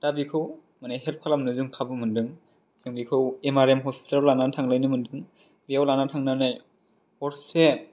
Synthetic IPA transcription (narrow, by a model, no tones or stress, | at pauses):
d̥abikʰɯw | maneɦelp̚kʰalamnɯzuŋkʰabɯmɯndɯŋ | z̥ɯŋbikʰɯwemaɾemɦɔsi̥tellːanatʰaŋlɯjnɯmɯndɯŋ | bijawlanatʰaŋnanaj | ɔɾse